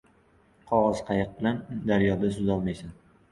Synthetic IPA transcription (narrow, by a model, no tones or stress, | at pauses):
qʰɒʁɒz̥qʰɑjɨq̚bɪland̪aɾjɒd̪as̬ʊzɒlˠmajsan